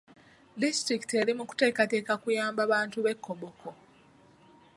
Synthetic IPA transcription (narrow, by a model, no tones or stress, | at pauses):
distɾiki̥te̞ɾimuku̥te̞ːkate̞ːkakujaːmbaβaːntuβe̞kːoβokʰo